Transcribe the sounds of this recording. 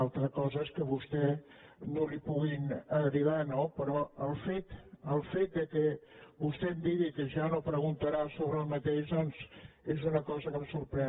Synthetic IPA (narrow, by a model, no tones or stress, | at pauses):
alˠt̪ɾəkɔzəskəβust̪ɛnolipuɣinəɾiβanopəɾɔəlˠfet̪əlˠfet̪̚d̪əkəβust̪ɛmd̪iɣikəʒanopɾəɣunt̪əɾasoβɾəlˠmət̪eʒðɔnzezunəkɔzəkəmsuɾpɾɛ